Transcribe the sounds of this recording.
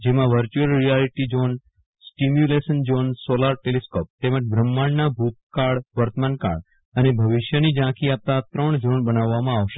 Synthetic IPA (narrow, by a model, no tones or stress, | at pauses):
d͡ʒemãʋəɾt͡ʃuəlɾijaliʈid͡ʒon | sʈimjulesənd͡ʒonsolaɾʈeliskop̚t̪emə̃t͡ʃbʱɾəmːaɳnabʱut̪̚kaɽʋəɾt̪əmanka̰ɽ | ənebʱəʋiʃjənid͡ʒãkiap̚t̪at̪ɾəɳd͡ʒonbənaʋːamãaʋʃe̥